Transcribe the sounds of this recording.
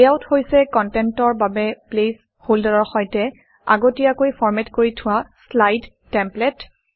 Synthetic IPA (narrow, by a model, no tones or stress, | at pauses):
aʊthojsɛkɔntɛntɔɹbabɛples | holdɔɹɔɹxɔjtɛ | a̰ɡotijakojfʰɔɹmɛtkoɹitʰʊwaslajdːɛmplɛt